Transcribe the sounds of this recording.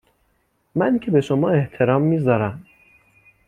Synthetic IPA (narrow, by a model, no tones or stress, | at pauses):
mæncʰebe̞ʃomɒːe̞ht̪ʰe̞ɾɒːmːiːzɒːɾæm